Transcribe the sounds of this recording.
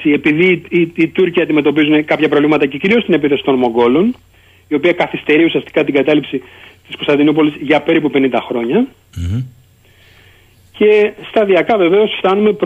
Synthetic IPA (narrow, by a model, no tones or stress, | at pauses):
iepiðiːt̪uɾciɐnd̪ime̞t̪o̞p̬izune̞kɐpçɐpɾo̞vlimɐt̪ɐce̞ciɾio̞st̪ine̞piθesi̥t̪o̞nmo̞ŋɡo̞lo̞n | io̞piɐkɐθist̪e̞ɾiusiɐst̪i̥kɐt̪iɡɐt̪ɐlipsit̪isko̞st̪ɐnd̪inupo̞lizʝɐpe̞ɾipupe̞nind̪ɐxɾo̞ɲɐ | ce̞st̪ɐðiɐkɐve̞ve̞o̞sft̪ɐnume̞p